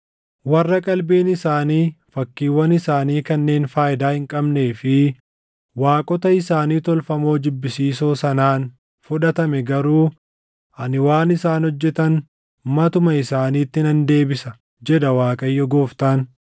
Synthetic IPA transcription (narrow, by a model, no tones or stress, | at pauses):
wɐrːɐkʼɐlbeːnɪsaːniːfɐkːiːwːɐnɪsaːniːkɐnːe̞ːnfaːjɪd̪aːhɪŋkʼɐbne̞ːfɪ | waːkʼɔt̪ɐɪsaːniːt̪ɔlfɐmo̞ːd̪ɪbːɪsiːsoːsɐnaːn | fʊᶑɐt̪ɐmɛɡɐɾuː | ʔɐnɪwaːnɪsaːnhɔd͡ʒːɛt̪ɐn | mɐt̪ʊmɐɪsaːniːt̪ːɪnɐnd̪e̞ːbɪsɐ | d͡ʒɛd̪ɐwaːkʼɐjːɔɡo̞ːft̪aːn